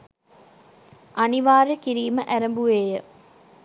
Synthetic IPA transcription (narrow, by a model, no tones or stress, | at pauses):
ʔaniʋaːɾəkiɾiːməʔæɾəmbuʋeːjə